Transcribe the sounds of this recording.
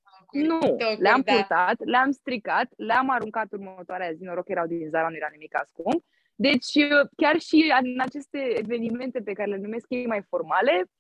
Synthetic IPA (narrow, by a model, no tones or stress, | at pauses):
nuleampuɾt̪at̪leamst̪ɾikat̪leamaɾuŋkat̪urmət̪oaɾeazino̞ɾo̞kje̞ɾawd̪inzaɾanuje̞ɾawnimika̰skump | d̪e̞t͡ʃʲəkʲarʃianat͡ʃe̞st̪e̞eve̞nime̞nt̪e̞pe̞kaɾelenume̞skje̞jmajfo̞rmale̞